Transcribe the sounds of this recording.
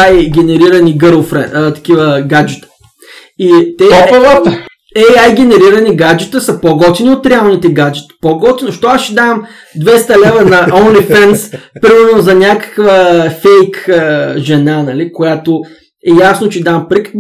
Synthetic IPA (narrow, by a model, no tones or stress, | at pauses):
ajɡʲɛnɛɾiɾɐniɡəɾlˠfɾɛ̰ət̪ɐ̥kʲivəɡad͡ʒit̪ə̥ | it̪ɛt̪ | ɛajɡʲɛnɛɾiɾɐniɡad͡ʒit̪əsɐpoɡɔt̪iniot̪ɾɛalˠnit̪ɛɡad͡ʒit̪poɡɔt̪ʲinoʃt̪oasʃid̪am | d̪vɛst̪ɐlɛvənɐonlifɛnspɾimɛɾnozɐnʲakə̥kvəfɛjkəʒɛnanɐlikojat̪o | ɛjasnot͡ʃɛd̪ampɾikə̥k